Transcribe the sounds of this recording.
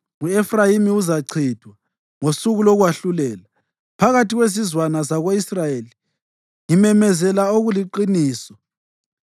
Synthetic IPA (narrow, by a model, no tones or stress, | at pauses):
uɛfrajimiuzaǀʰid̥ʱwa | ŋosuɣulɔɣwaɬulɛːla | pʰaɣatiɣwezizwanazaɣoisrajeli | ŋimɛmɛzɛlaoɣuliǃiniːsɔ̥